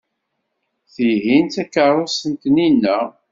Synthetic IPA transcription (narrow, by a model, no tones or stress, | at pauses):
θiɦint̪ækːəɾˤosənt̪ninːæ